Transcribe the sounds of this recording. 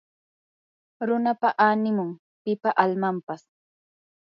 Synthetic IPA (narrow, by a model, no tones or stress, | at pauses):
ɾʊnapaʔanɪmʊŋ | pɪpaʔalmampas